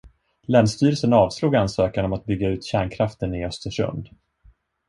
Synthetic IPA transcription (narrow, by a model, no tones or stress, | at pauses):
lɛːnst̪yːɾəlsənɑːvsluːɡansøːkanɔmat̪̚bʏɡːaʉ̟ːt̪ɕæːɳkʰɾaft̪ənɪœst̪əʂɵ̰nd̪